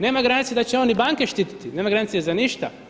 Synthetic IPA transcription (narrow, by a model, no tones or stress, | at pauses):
ne̞ːmaɡɾanit̪jed̪at͡ɕeonibaŋkeʃt̪iːt̪i̥t̪ine̞ːmaɡɾanit̪sjezaniʃt̪a